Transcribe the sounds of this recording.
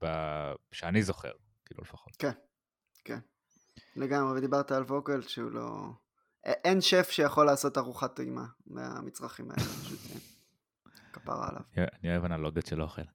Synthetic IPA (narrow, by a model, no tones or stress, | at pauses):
baʃeanizoχḛʁ | kiːlulefaχot̪ken | kḛn | leɡamʁeved̪ibaʁt̪aalvo̞ɡelʃeṵlo̞̰ | ʔeʔenʃefʃejaχo̞lːaːso̞taʁuχat̪ojma̰mḛa̰mit͡sʁaχima̰ḛlepaʃṵt̪ḛn | kapa̰ʁa̰ːlʔa̰vanioevanaloɡotʃelooχel